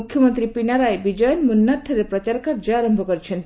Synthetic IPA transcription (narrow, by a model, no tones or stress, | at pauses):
ukʰjɔmɔnt̪ɾipinaɾajbid͡ʒɔjɔnmunːaʈʰɔɾepɾɔt͡ʃaɾkaɾd͡ʒɔaɾɔmbʱɔkɔɾit͡ʃʰen